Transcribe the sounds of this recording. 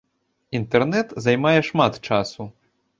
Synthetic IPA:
int̪ɛrnɛt̪zajmajɛʂmat̪t͡ʂasu

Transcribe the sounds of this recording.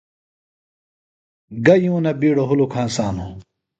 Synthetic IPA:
ɡɐjũːnɐbiːɽoɦulokʰaːnsaːnu

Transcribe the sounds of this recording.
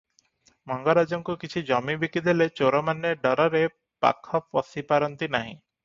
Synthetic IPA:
mɔŋɡɔɾad͡ʒɔŋkukit͡ʃʰid͡ʒɔmibikid̪ʱilet͡ʃoɾɔmanːeɖɔɾɔɾe | pa̰kʰɔpɔsipaɾɔnt̪inaɦḭ̃

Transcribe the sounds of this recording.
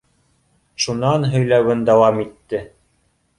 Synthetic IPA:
ʃunɑnɦɵ̆jlæwɘnd̪ɑwɑmit̪ːɘ

